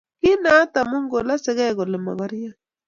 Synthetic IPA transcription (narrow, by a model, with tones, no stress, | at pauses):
ki˦na˦ta˨mu˦ŋɡo˨la˦se˨ɣɛ˦˨ɣɔ˨le˨ma̰˨βa˦ɾi˦ja˦